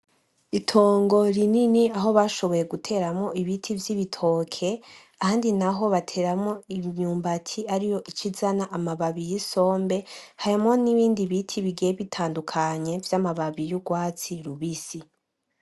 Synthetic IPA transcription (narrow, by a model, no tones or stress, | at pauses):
itʰo̞ːŋɡo̞ɾininiaɦo̞βaʃo̞βo̞je̞ɡutʰe̞ːɾamŋo̞iβitʰivjiβitʰo̞kʰe̞ | ahaːndinaɦo̞βatʰe̞ːɾamŋo̞iɲuːmbatʰiaɾijo̞ʔit͡ʃʰizanaʔamaβaβijiso̞ːmbe̞haɾimŋo̞niβiːndiβitʰiβiɡieβitʰaːndukʰaɲe̞vjamaβaβijuɡwaːt͡siɾuβisi